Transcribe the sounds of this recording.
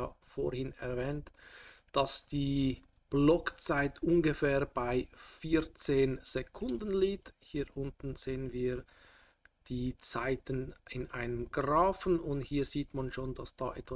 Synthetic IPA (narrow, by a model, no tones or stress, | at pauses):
aːfoːhɪnɛɐvɛːntd̥asd̥iː | b̥lɔkt͡saɪtʔʊnɡəfɛːɐb̥aɪfiːt͡seːnz̥ekʰʊndən̩liːthiːʔʊntn̩z̥eːənviːɐ | d̥iːt͡saɪtənɪnʔaɪnəmɡʁaːfn̩ʊnthiːɐziːtmanʃoːndasd̥a̰ːʔɛtva